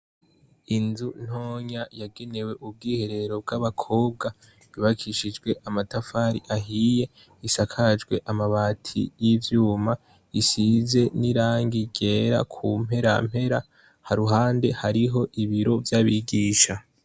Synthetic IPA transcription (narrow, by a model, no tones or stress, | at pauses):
inzun̥ho̞ːɲajaɡe̞ne̞we̞ʔub̚ɡiːhe̞ɾe̞ɾo̞b̚ɡaβakʰo̞ːb̚ɡa | βiβakʰiʃid͡ʒɡwe̞ʔamatafaːɾḭʔaɦije̞ | isakʰad͡ʒɡwe̞ʔamaβaːtʰḭjiːvjuːma | isize̞niɾaːŋɡiɟe̞ːɾa̰kʰum̥he̞ɾa̰m̥he̞ɾa̰ | haɾuɦaːnde̞haɾiɦo̞ʔiβiɾo̞vjaβiɡiːʃa